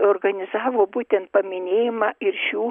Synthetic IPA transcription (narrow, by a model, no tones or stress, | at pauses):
oːɾɡɐnʲɪzɑːʋoːbuːt̪ʲɛnt̪̚pɐmʲɪnʲeːjɪmɑːɪɾʃʲuː